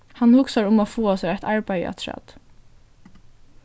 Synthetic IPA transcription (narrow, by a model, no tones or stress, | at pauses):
hanhʊksaɹʊmɔfuːasɛːaɛt̪ʰɑɹbæja̰t̪ʰɹɑ̰t̪